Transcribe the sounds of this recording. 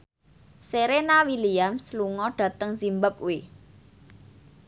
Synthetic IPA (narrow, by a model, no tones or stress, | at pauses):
seɾenawiliamsluŋɔɖ̥ä̤t̪əŋsimbəp̚ui